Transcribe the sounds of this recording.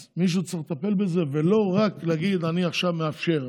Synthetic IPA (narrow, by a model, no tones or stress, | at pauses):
miʃ̬ut͡siχlet̪ape̞lbeze̞velo̞ʁakleaɡid̪aniaχʃavmeafʃe̞ʁ